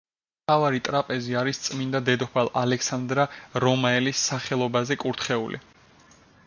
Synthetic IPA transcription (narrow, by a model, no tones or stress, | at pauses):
mt̪ʰavaɾit̪ʼɾapʼɛziaɾist̪sʼmind̪ad̪ɛd̪ɔpʰalˠalɛksand̪ɾaɾɔmaɛlisːaχɛlˠɔbazɛkʼuɾt̪ʰχɛulʔḭ